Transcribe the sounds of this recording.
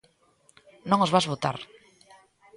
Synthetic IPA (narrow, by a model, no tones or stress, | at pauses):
nõŋozβazβot̪a̰ɾ